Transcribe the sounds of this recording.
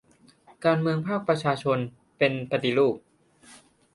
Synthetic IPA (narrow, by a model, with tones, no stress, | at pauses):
kaː˧nmɯ˧əŋpʰaː˥˩k̚pɾa˧t͡ɕʰaː˧t͡ɕʰo˧n | pe˧npa˧t̪i˧luː˥˩p̚